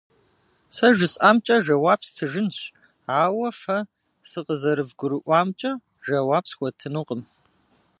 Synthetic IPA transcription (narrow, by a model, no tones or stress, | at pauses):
sɐʒɨsʼaːmt͡ʃʼɐʒɐwaːbstʰɨʒɨnɕ | aːwɐfɐ | sɨqəzɐɾɨvɡʷʊɾɨʔʷɑːmt͡ʃʼɐ | ʒɐwaːpsxʷɔtʰɨnuqʼəm